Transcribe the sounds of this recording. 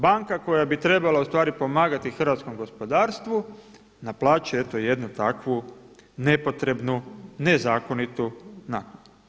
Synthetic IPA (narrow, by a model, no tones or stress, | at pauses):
baŋkako̞jabit̪ɾe̞balaust̪ʋaːɾipo̞maːɡat̪ixr̩ʋat̪sko̞mɡo̞spo̞d̪aːɾst̪ʋu | naplˠaːt͡ʃeet̪o̞je̞d̪nut̪akʋune̞po̞t̪ɾe̞bnune̞zaːko̞nit̪unapu